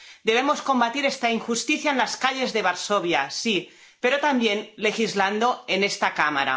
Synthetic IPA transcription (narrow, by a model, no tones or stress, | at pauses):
d̪e̞β̞emosko̞mbat̪iɾest̪aiŋxust̪iθjaenlaskaʎe̞zðeβaɾsoβjasi | peɾot̪ambjenle̞xizland̪o̞enest̪akama̰ɾa̰